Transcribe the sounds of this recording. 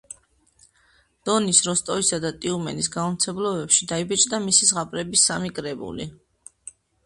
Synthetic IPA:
d̪̥ɔnisɾɔst̪ʼɔisad̪at̪ʼiumɛ̰nisɡaɔmt̪sʰɛblɔbɛpʃid̪aibɛt͡ʃʼd̪amisisʁapʼɾɛbisːamikʼɾɛbṵlḭ

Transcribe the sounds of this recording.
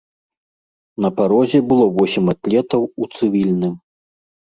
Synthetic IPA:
nɐpaɾɔzʲɛbɨlˠɔvɔsʲimʲat̪lʲɛt̪ɐwut̪sɨvʲilʲnɨm

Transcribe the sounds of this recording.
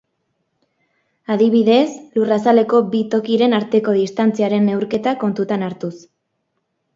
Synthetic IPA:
aðiβ̞iðe̞slurasale̞ko̞bit̪o̞kiɾe̞naɾt̪e̞ko̞ð̞ist̪ant͡siaɾe̞ne̞wɾke̞t̪ako̞nt̪ut̪anaɾt̪us

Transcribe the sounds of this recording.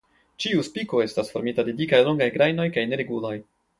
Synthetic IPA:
t͡ʃiuspiko̞e̞stasfo̞ɾmitade̞dikajlo̞ŋɡajɡɾajno̞jkajne̞ɾe̞ɡuloj

